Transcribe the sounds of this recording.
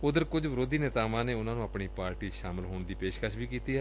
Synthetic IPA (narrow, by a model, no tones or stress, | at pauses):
ʊd̪əɾkʊd͡ʒʋəɾoːd̪iːnɪt̪aːʋãːneːʊnãːnũːəpɳiːpaːɾʈiːʃaːmɪlɦoːɳd̪iːpeːʃkaːʃbiːkiːt̪iːɦɛː